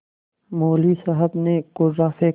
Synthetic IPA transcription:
moːliːsɐɦəbneɡʊɾɾaːfe

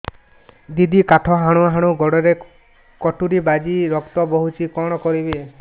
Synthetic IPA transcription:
d̪id̪ikaʈʰɔɦaɽ̃uaɦaɽ̃uɡɔɽɔɾe | kɔʈuɾibad͡ʒiɾɔkt̪ɔbɔɦut͡ʃʰikɔɽ̃ɔkɔɾibe

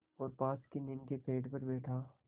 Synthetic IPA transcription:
ɔːɾpaːskenɪnkepʰeːɖpɐɾbeːʈʰaː

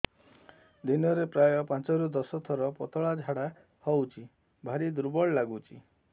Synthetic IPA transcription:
d̪inɔɾepɾajɔpãt͡ʃɔɾud̪ɔsɔt̪ʰɔɾɔpɔt̪ɔɭad͡ʒʱaɽa | hɔwt͡ʃʰi | bʱaɾid̪uɾbɔɭlaɡut͡ʃʰi

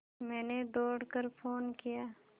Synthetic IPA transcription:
mɛ̃ːneɖoːɽkəɾpʰoːnkijaː

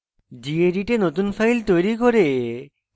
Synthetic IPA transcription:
d͡ʑieɖiʈenot̪unfʰajlt̪ojɾikoɾe

